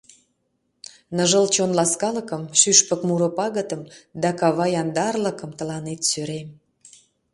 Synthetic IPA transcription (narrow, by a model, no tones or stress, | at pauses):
nəʒəlt͡ɕonlɑskɑləkəmʃyʃpə̆kmuɾŏpɑɣət̪əmd̪ɑkɑβɑjɑnd̪ɑrlə̆kəmt̪ə̆lɑnet̪syɾem